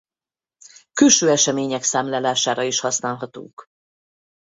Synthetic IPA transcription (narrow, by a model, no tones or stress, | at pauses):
kylʃøːɛʃɛmeːɲɛksaːmlaːlaːʃaːɾɒiʃhɒsnaːlɦɒt̪ṵŋk